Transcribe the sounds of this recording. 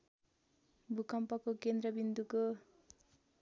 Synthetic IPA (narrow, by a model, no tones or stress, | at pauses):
bʱukʌmpʌkokend̪ɾʌbind̪uko